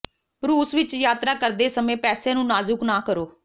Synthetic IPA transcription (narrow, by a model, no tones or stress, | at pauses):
ɾuːsʋɪt͡ʃjaːt̪ɾaːkəɾd̪eːsəmẽːpɛːsẽːnũːnaːzʊknaːkəɾoː